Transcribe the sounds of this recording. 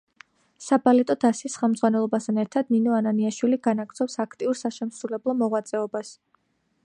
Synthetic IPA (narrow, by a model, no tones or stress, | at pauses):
sabalɛt̪ʼɔd̪asisχɛlˠmd̪zʁwanɛlˠɔbast̪ʰanɛɾt̪ʰad̪ninɔananiaʃwiliɡanaɡɾzɔpsakʰt̪ʼiuɾsaʃɛmsɾulɛblˠɔmɔʁwat̪sʼɛɔbas